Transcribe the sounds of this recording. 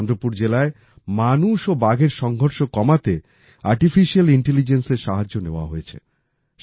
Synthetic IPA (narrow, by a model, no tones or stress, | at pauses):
nd̪ɾopuɾd͡ʑelae | manuʃobaɡeɾʃɔŋɡʱoɾʃokɔmat̪e | aɾʈifiʃialiɳʈelid͡ʑenseɾʃaɦad͡ʑːoneoa̰ɦojet͡ɕʰḛ | ʃ